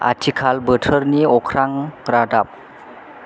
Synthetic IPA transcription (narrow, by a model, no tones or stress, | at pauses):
ʔa̰tʰikʰalbətʰəɾniɔkʰɾaŋɾadap̚